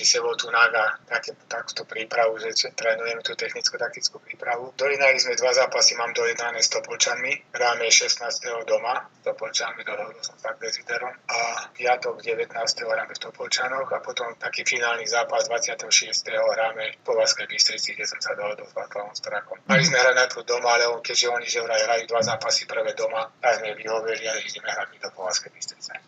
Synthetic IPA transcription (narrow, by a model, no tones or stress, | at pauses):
isɛʋɔt̪unaɡat̪akɛt̪aku̥t̪upɾiːpɾaʋuʒɛt͡ʃɛt̪ɾɛːnujɛmɛt̪uːt̪ɛxnit͡skut̪ak̚t̪it͡skupɾiːpɾaʋud̪ɔjɛnalizmɛd̪ʋazaːpasimaːmd̪ɔjɛd̪nanɛst̪ɔpɔlt͡ʃanmiɦɾaːmɛʃɛsnaːst̪ɛɦɔd̪ɔmast̪ɔpɔlt͡ʃanmid̪ɔɦɔɦɔd̪ɔlsɔmfaɡd̪ɛzid̪ɛɾɔmapjat̪ɔɡɟɛʋɛt̪naːst̪ɛɦɔɦɾaːmɛst̪ɔpɔlt͡ʃanɔxapɔt̪ɔmt̪akiːfinaːlnizaːpazd̪ʋat͡sɪat̪ɛɦɔʃɪɛst̪ɛɦɔɦɾaːmɛpɔʋat͡skɛjbist̪ɾit͡siɡɟɛsɔmsad̪ɔɦɔd̪ɔlzʋa̰klaʋɔmst̪ɾakɔmaizmɛɦɾanat̪ud̪ɔmaalɛɔkɛɟʒɛɔɲiʒɛɦɾaɦɾajud̪ʋazaːpasipr̩ʋɛd̪ɔmat̪aɡzmɛʋiɦɔʋilialɛiɟɛmɛɦɾadmid̪ɔpɔʋat͡skɛjbist̪ɾit͡sɛ